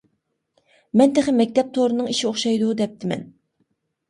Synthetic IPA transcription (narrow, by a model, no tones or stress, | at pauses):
mɛnt̪ʰeχɪmɛk̚ʲt̪ʰɛp̚t̪ʰoɾɨnɨŋiʃioχʃɑjd̪ud̪ɛp̚t̪ʰɪmɛ̰n